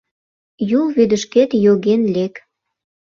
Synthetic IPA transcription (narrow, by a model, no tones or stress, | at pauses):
julβyd̪ə̆ʃket̪joɣenlek